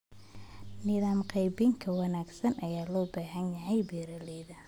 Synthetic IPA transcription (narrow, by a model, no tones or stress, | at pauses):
nɪðaːmqɑjbɪŋkʰɐwɑnaːɡsɐnʔɐjaːlɔːbaːɦɐnjɐɦɛjbiːɾɐlɛːðɐ